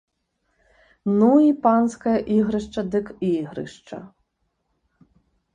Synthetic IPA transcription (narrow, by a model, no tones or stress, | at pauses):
nuipɑnsʲkɐjɐʔiɣɾɨʂt͡ʂɐd̪ɨkiɣɾɨ̰ʂt͡ʃɐ̰